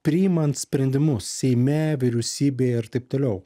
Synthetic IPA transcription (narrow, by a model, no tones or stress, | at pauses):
pʲɾʲɪjɪmɐnt̪sʲpʲɾʲɛnʲd̪ʲɪmʊssʲɛɪmʲɛʋʲɪɾʲɛʊsʲiːbʲeːɪɾt̪ɐɪp̚t̪oːlʲɛʊ